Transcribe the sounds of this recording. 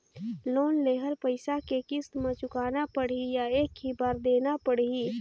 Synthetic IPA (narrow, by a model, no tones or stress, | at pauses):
loːnleːɦəlpəɪsakekɪst̪mãt͡ʃʊkaːnapəɽijaeːkibaːɾd̪eːnapəɽi